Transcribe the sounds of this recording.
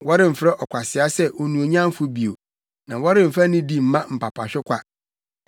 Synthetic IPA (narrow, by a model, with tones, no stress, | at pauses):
wɔ˦ɾɪ̃˦˨m̩˨fɾɛ˦ʔɔ˨kʷʰa˨sɪ˨a˦sɛ˦ʔo˨nũ˨o˨ɲã˦m˦fʊ˦bi˨o˨ | nã˨wɔ˦ɾɪ̃˦m̩˨fɾɛ˦nɪ̃˦di˦m̩˦mã˦m̩˨pʰa˨pʰa˨ɕᶣɪ˦kʷʰa˦